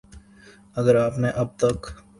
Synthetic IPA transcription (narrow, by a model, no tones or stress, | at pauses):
ɐɡəɾaːpneʔɐb̚t̪ɐk